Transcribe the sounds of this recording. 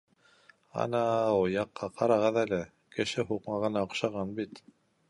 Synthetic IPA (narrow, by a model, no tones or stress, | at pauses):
ɑ̰nɑjɑqːɑqɑɾɑʁɤðælɘ | kɘ̆ʃɘɦuqmɑʁɤ̆nɑoqʃɑʁɑnbit̪